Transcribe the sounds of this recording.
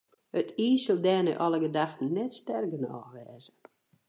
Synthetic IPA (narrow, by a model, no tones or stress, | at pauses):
ətʰiːsəlˠdɛːnə̰ʔɔlˠəɡədaxtən̩nɛtstɛrɡənɔ̰ːxʋɛːzə